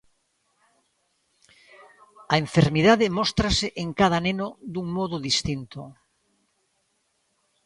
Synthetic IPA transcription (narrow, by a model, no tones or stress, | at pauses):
ɐeɱfeɾmiðaðɪmɔst̪ɾasɪʔeŋkað̞ɐnenʊd̪uŋmɔðʊðist̪int̪o